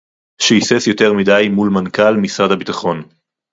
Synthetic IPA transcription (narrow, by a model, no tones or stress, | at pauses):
ʃeisesjo̞teʁmidajmulmankalmisʁadhabit̪aχo̞n